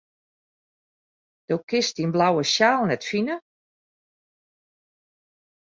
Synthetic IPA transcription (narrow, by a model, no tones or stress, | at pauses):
d̥oːkɪstiənblawəʃjaːlˠnɛtfinə